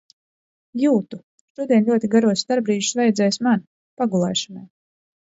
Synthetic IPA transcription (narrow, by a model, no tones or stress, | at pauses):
juːt̪u | ʃuɔd̪ʲiɛlʲuɔt̪iɡaɾuɔst̪aɾbɾiːʒsvajɛd̪zɛjsman | paɡulˠɛːʃanɛj